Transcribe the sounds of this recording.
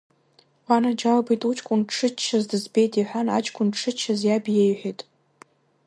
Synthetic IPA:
wanad͡ʒalbijtʼut͡ʃʼkʷʼʊnʈ͡ʂʰɨt͡ʃʰːazdɨzbe̞jtʼiħʷᶣana̰t͡ʃʼkʷʼʊnʈ͡ʂʰɨt͡ʃʰːazjabjejħʷᶣejtʼ

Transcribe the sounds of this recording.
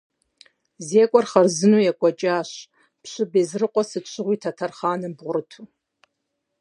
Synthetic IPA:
zeːkʷʼɔrχɐrzɨnujakʷʼɔt͡ʃʼaːɕ | pɕʷɨbeːzrɨqʷʼɔsɨt͡ʃʷʰʼɪʁʷiːtʰatʰɐrχaːnɨbʁʷʊrɨtʰu

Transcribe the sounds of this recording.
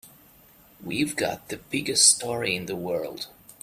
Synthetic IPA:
wivɡɑ̰t̪̚ðɨbɪɡɨststʰɔɹiɪ̃nðəwɜ˞lˠd̥

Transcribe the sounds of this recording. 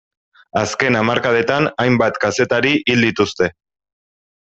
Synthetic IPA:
aske̞namaɾkaðe̞t̪anajmbat̪kase̞t̪aɾiʔild̪it̪ust̪e̞

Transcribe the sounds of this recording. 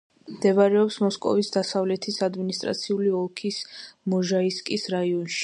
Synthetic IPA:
md̪ɛvaɾɛɔpsmɔskʼɔ̰visd̪asavlɛt̪ʰisad̪minist̪ʼɾa̰t̪sʰiuliɔlˠkʰismɔʒaiskʼisɾaiɔnʃi̥

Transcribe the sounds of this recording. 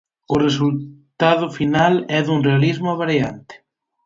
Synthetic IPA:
ʊres̬ult̪aðʊfinalɛðuŋrealizmʊβaɾjant̪e̥

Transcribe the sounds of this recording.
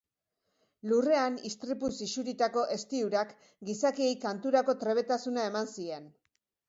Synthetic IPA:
lure̞anist̪ɾipusisuɾit̪ako̞ʔe̞st̪iuɾak | ɡisakiejkant̪uɾako̞t̪ɾe̞β̞e̞t̪asunae̞mansie̞n

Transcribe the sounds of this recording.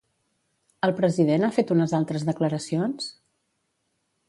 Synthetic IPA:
əlˠpɾəziðenafet̪unəzalˠt̪ɾəzðəkləɾəsions

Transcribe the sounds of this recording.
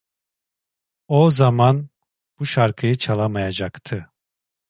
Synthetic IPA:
ozaman | b̥uʃaɾkʰɯjɯt͡ʃʰalˠamajad͡ʒakt̪ʰɯ

